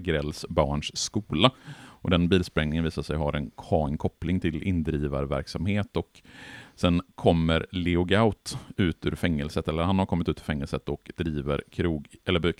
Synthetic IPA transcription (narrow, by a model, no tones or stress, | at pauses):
ɡɾɛlːsbɑːɳʂːkuːlaʔɔd̪ɛnbiːlspɾɛŋnɪŋəviːsaʂɛjɦaɾɛnkʰɑːɪŋkʰɔplɪŋt̪ʰɪlɪnd̪ɾiːva̰ɾvæ̰ɾksamheːt̪ɔksɛnkʰɔmːəɾlɪʊɡaʊt̪ʉ̟ːt̪ʉ̰ːɾfɛŋːəlsət̪ɛlːəɾhanhaɾkʰɔmːɪt̪ʉ̟t̪ɵɾfɛŋːəlsət̪ɔkd̪̥ɾiːvəɾkʰɾuːɛlːəb